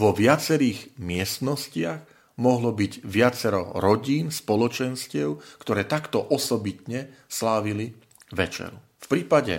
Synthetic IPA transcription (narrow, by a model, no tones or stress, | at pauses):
ʋɔʋɪat͡sɛɾiːɣmɪɛst̪nɔscɪaɣ | mɔɦlɔbiɟʋɪat͡sɛɾɔ̰ɾɔɟiːnspɔlɔt͡ʃɛnscɪɛʊkt̪ɔɾɛːt̪akt̪ɔʔɔsɔbit̪ɲɛslaːʋili | ʋɛt͡ʃɛ̰ɾu | fpɾiːpaɟɛ̰